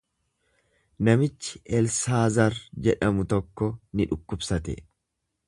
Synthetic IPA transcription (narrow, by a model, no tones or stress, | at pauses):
nɐmɪt͡ʃːɪ̥ʔɛlsaːzɐɾd͡ʒɛᶑɐmʊt̪ɔkːɔnɪᶑʊkːʊbsɐt̪ɛ̰